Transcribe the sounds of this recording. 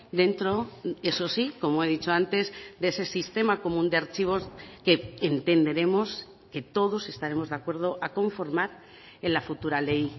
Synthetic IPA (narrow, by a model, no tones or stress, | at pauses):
d̪e̞nt̪ɾo̞eso̞siko̞moe̞ðit͡ʃo̞ant̪e̞zd̪e̞se̞sist̪e̞mako̞mũnd̪e̞aɾt͡ʃiβ̞o̞ske̞ːnt̪e̞nd̪e̞ɾe̞mo̞s | ke̞t̪o̞ðo̞se̞st̪aɾe̞mo̞zðeakwe̞ɾð̞o̞ʔako̞ɱfo̞ɾmaɾ | elafut̪uɾale̞j